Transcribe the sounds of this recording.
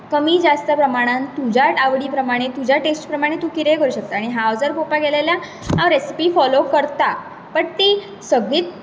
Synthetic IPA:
kəmiːd͡zast̪əpɾəmaɽ̃ãnt̪ːud͡ʑʱaʈaʋɽiːpɾəmaɽ̃et̪ud͡ʑʱjaʈesʈpɾəmaɽ̃et̪ũːkiɾejkəɾuːɕək̚t̪aːɽ̃iɦãʋd͡zəɾpopaɡelelja | ãʋɾesi̥piːfɔlokəɾt̪a | pəɳt̪iː | səɡɭiːt̪

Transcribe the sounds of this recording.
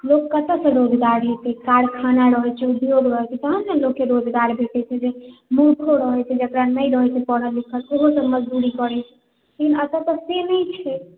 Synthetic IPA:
lokːət̪əsə̃ɾod͡ʒɡ̪aɾɦet̪ɛkaɽkʰanaɾəɦɛt͡ʃʰɛub̪joɡɾəɦɛt͡ʃʰɛt̪əɦənsə̃nlokːeɾod͡ʒɡ̪aɾbʱeʈɛt͡ʃʰɛd͡ʒemuɾk̪ʰoɾəɦɛt͡ʃʰɛd͡ʒəkɾanːəjɾəɦɛt͡ʃʰɛpɔɽəlikʰəloɦosəməd͡ʒd̪uɾikɔɾɛt͡ʃʰɛ̥ | lekinət̪ət̪əsenəjt͡ʃʰɛ

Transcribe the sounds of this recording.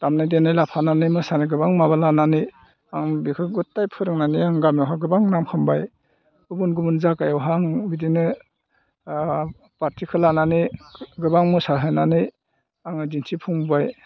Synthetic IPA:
tamnajdenɯjlapʰananɯjmɯsaniɡɯbaŋmaβalananɯj | aŋbikʰɯɡutːajpʰɯɾɯŋnanijaŋɡamewɦaɡɯbaŋnamkʰɯmbaj | ɡɯbunɡubunzakajɔwɦaŋbidinɯ | paɾtʰikʰɯlananiɡɯbaŋmɯsaɦɯnanɯj | aŋɯdinsʰipʰuŋbaj

